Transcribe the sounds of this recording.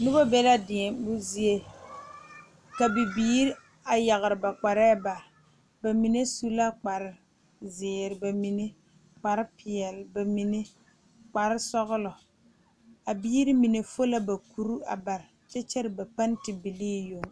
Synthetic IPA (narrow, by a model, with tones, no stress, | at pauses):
nʊ˦ba˦bɛ˦la˦dɪ˨ɛ˨bʊ˦zi˦e˦ | ka˨bi˨biː˦ɾ | a˨ja˨ɣɪ˨ɾɪ˨ba˨k͡pa˨ɾɛː˦ba˨ | ba˨mi˨ne˦su˦la˦k͡pa˨ɾɪ˦ | zɪː˨ɾɪ˨ba˨mi˨ne˦ | k͡pa˨ɾɪ˦pʰɪ˨ɛ˨lba˨mi˨ne˦ | k͡pa˨ɾɪ˦sɔ˦ɣʊ˦lɔ˨ | a˨biː˦ɾi˦mi˨ne˨fo˦la˦ba˨ku˨ɾu˦a̰˨ba˨ɾɪ˨t͡ʃɛ˦t͡ʃɛ˦ɾɪ˨ba˨pa˦ntɪ˨bi˨liː˦jo˨ŋ